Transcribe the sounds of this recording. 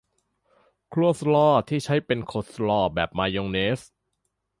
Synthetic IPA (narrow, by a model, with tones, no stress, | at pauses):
kʰlu˥˩slɔː˥˩t̪ʰiː˥˩t͡ɕʰa˦˥jpe˧nkʰoː˨˦˩t̪̚slɔː˥˩bɛː˨˩p̚maː˧joː˧ŋneː˦˥s